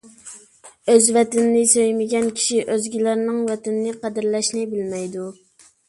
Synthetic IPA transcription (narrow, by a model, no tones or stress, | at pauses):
øzvɛt̪ɪnːɪsøjmɪɡʲɛnkʲʰi̥ʃiʔøzɡʲilæɾnɪŋvɛt̪ɪnːɪqæd̪ɪɾlɛʃnɪbɪlmɛjd̪u